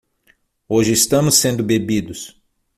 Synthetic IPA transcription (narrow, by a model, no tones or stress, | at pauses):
oʒɪist̪ɐ̃mʊsːẽnd̪ʊbebid̪ʊs